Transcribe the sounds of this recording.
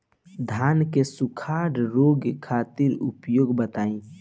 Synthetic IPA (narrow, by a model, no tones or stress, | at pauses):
d̪ʱaːnkesukʰaːɾɾoːɡkʰaːt̪ɪɾʊpjoːɡbət̪aːĩ